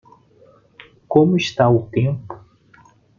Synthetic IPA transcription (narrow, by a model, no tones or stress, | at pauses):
kõmʊist̪aʊt̪ẽmpʊ̥